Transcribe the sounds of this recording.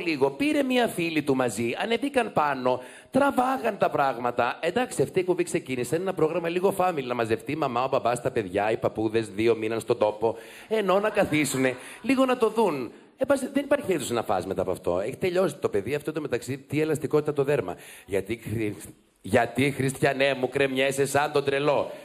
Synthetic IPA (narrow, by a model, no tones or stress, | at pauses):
liɣo̞piɾe̞miɐfilit̪umɐziɐne̞bikɐnpɐno̞ | t̪ɾɐvɐɣɐnt̪ɐpɾɐɣmɐt̪ɐʔend̪ɐksiɐft̪ieçubikse̞cinisɐnenɐpɾo̞ɣɾɐmɐliɣo̞fɐmilinɐmɐze̞ft̪imɐmɐobɐbɐst̪ɐpe̞ðʝɐipɐpuðe̞zðio̞minɐnst̪ond̪o̞po̞ | eno̞nɐkɐθisune̞ | liɣo̞nɐt̪o̞ðun | ebɐsiðe̞nipɐɾçiiθusinɐfɐ̰sme̞t̪ɐ̰aɐpoɐ̰ft̪o̞̰eçi̥t̪e̞ʎo̞si̥t̪o̞pe̞ðiɐft̪ot̪ome̞t̪ɐksit̪ie̞lɐst̪ikot̪it̪ɐt̪o̞ðeɾmɐ̰ʝɐt̪i | ʝɐt̪ixɾist̪çɐne̞mukɾe̞mɲesesɐnt̪o̞d̪ɾe̞lo̞